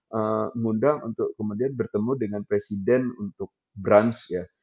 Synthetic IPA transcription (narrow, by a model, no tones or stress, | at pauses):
ʔəŋundaŋunt̪ʊʔkəmudianbərt̪əmudəŋanpɾesidɛnunt̪ʊk̚ | bɾansja